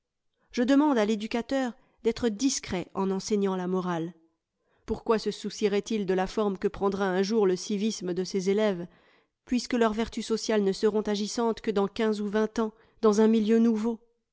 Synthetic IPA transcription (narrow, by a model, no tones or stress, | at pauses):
ʒ̥əd̪əmɑ̃d̪aled̪ykʲat̪œʁ | d̪ɛt̪χəd̪iskχɛɑ̃nɑ̃sɛɲɑ̃lamɔʁal | puʁkwasəsusiʁɛt̪ild̪əlafɔʁmkəpχɑ̃d̪ʁaɛ̃ʒuʁləsivisməd̪əsezelɛv | pɥiskəlœʁvɛʁt̪ysɔsjalnəsəʁɔ̃t̪aʒisɑ̃t̪kəd̪ɑ̃kʲɛ̃zuvɛ̃t̪ɑ̃ | d̪ɑ̃zɛ̃miljønuvo